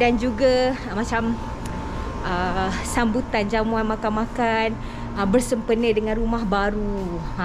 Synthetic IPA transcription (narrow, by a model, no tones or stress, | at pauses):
dand͡ʒuɡa | mãt͡ʃam | əsambut̪and͡ʒamũanmãkanmãkan | əbərsəmpənədəŋãnrumahbaɾu